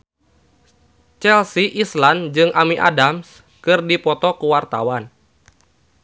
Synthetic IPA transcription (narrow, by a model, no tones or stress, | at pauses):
t͡ʃɛlsiʔisland͡ʒɨŋʔamiʔa̰dams | kɨrdipɔt̪ɔkəwart̪awan